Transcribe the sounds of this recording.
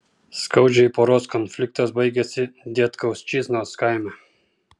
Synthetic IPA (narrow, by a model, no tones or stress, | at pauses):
skawd͡ʒiipɔɾɔskɔnflik̚t̪azbəjɡɛsid̪ʲjɛt̪kawst͡ʃiznaɔskajmɛ